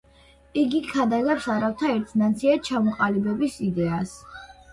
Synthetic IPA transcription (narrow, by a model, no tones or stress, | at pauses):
iɡikʰad̪azapsaɾaft̪ʰaɛɾt̪ʰnat̪sʰiat͡ʃʰamɔqʼalibɛbisid̪ɛas